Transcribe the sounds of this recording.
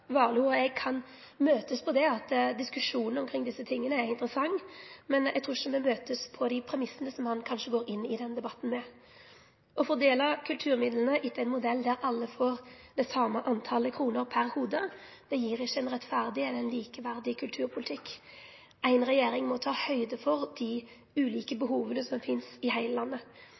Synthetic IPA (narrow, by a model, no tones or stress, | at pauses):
ʋɑːluɔɛɡ̚kʰɑn | møːt̪əspʰɔd̪ɛɑt̪d̪ɪskʉʂuːnn̩ɔmkʰɾɪŋd̪ɪsːət̪ʰɪŋːənəæɾɪnt̪əɾəsɑŋːmɛnɛ̰ɡt̪ʰɾuːɪçəmɔmøːt̪əspʰɔd̪ɪpʰɾɛmɪsːənəsɔmhɑnkʰɑnʂəɡoːɾɪnːɪd̪ɛnd̪ɛbɑt̪ːn̩mɛ | ɔfɔʁd̪eːlɑkʰʉlt̪ʰʉːɾmɪd̪lənəʔɪt̪ːəæɪnmʊd̪ɛlːd̪æɾɑlːəfoːɾ | d̪ɛsɑmːəʔɑnt̪ʰɑləkʰɾuːnəɾpʰæɾhuːd̪ə | d̪̥ɛjiːɾɪçːəɛnɾɛt̪fæʁd̪ɪɛlɛnliːkəʋæʁd̪ɪkʰʉlt̪ʰʉːɾpʰʊlɪt̪ʰɪkː | æɪnʁɛjeːɾɪŋmɔt̪ʰɑːhœʏd̪əfɔɾd̪̥ɪ | ʉːliːkəbəɦuːʋənəsɔmfɪnsɪhæɪləlɑnːə